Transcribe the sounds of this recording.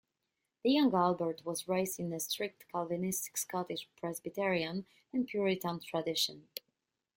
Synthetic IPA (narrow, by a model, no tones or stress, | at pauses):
ðəjʌ̃ŋɡalˠbəɹtwɔzɹeɪztɪ̃nəstɹɪk̚tkʰalˠvĩnɪstɪ̥kskɑtɪd͡ʒpʰɹɛzbitɛɹiə̃n | ɛ̃npʰjuɹitə̃ntʰɹadɪʃə̃n